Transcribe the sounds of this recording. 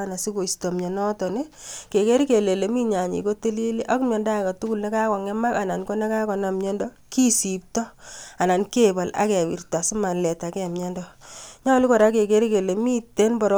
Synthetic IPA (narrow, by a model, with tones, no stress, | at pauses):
ana˨si˦ko˨isto˨mɲe˨nɔ˦tɔ˨ne˦ke˨ke˦ɾi˦ke˨le˨le˨mi˦ɲa˨ɲḭ˨ko˦te˦li˦li˦ʔa˦ku˦mɲɔ˨nda˦˨ka˨tu˦ku˦˨lne˦ka˦kɔ˨ŋɛ˦ma˦ka˨na˨nko˦ne˦ka˦kɔ˨na˨mɲɛ˦ndɔ˦ | ki˦si˨p̚tɔ˦a˨na˨nke˦ba˨la̰˦kɛ˨wḭ˨rta˨su˦ma˨nlɛ˨ta˨kɛ˦˨mɲɛ˦ndɔ˦ɲa˦li˦kɔ˨ɾa˦ke˨ke˦ɾi˦ke˨le˨mi˦te˦npɔ˨ɾ